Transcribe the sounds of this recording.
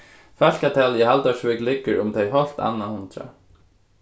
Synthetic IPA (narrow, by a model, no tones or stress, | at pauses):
faɬkat̪ʰaːljɛhalt̪aʃvɪklɪkːəɾʊmt̪ʰɛjɦɔɬt̪a̰nːahʊnt̪ɾa̰